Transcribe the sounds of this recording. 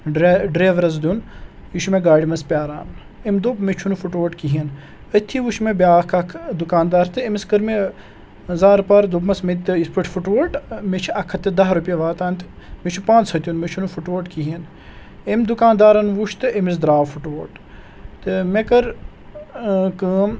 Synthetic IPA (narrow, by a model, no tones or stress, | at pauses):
ɖɾeɖɾeːʋɾɐz̬d̪un | jiʃumeɡaːɽʲimɐspʲjaːɾa̰ːm | emd̪opmet͡ʃʰunufuʈʋoʈkiɦin | ət̪ʰːiʋuʃmebʲjaːkʰɐkʰd̪ukaːnd̪aːɾt̪ɨemiskəɾme | zaːɾpaːɾd̪ubmɐsmet̪ːispəʈʰfuʈʋoʈmet͡ʃʰɐkʰɐt̪ɨd̪ɐɦɾupʲjɐʋaːt̪aːnt̪ | met͡ʃʰupãːnt͡shɐt̪ʲjunmet͡ʃʰunufuʈʋoːʈkiɦin | emd̪ukaːnd̪aːɾɐnʋuʃt̪ɨʔemis̬d̪ɾaːʋfuʈʋoːʈ | t̪ɨmekɐɾ | kɨm